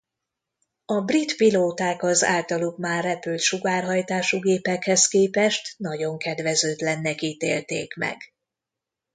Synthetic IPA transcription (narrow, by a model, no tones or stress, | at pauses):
ɒbrit̪piloːt̪aːkɒza̰ːlt̪ɒlukmaːrːɛpylt̪ʃuɡaːrɦɒjt̪aːʃuɡeːpɛkhɛskeːpɛʃt̪nɒɟo̞ŋkɛd̪ʋɛzøːd̪lɛnːɛkiːt̪eːlt̪eːkmɛ̰ɡ